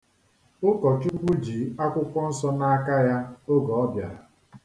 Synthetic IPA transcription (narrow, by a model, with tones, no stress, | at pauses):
ʊ˦kɔ˨t͡ʃu˦ɡ͡bʷu˦d͡ʒi˨˦a˦kʷʊ˦kʷɔ˦n̩˦sɔ˦na˦a˦ka˦ja˦o˦ɡɔ˨ɔ˦bja̰˨ɾa˨